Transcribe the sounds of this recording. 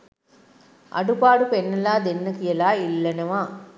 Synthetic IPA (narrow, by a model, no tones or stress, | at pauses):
ʔɐ̰ɽɯpaːɽɯpɛnːɐlaːd̪enːɯkɪjɐlaːɪlːɐnɐʋaː